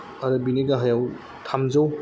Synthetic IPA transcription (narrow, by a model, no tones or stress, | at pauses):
ɐɾɐbineɡaɦajaw | tʰamzaw